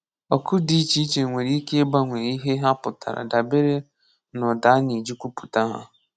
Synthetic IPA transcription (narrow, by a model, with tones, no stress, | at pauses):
ɔ˨kʊ˦di˦t͡ʃi˦t͡ʃe˨ŋʷe˨ɾi˦ke˦e˦ɡ͡ba˦ŋʷe˨i˦ɦe˦ɦa˦pʊ˨ta̰˨ɾa̰˨da˨be˦ɾe˦ | nɔ˨da˨˦ni˨d͡ʒu˦kʷu˦pu̥˨ta˦ɦa̰˦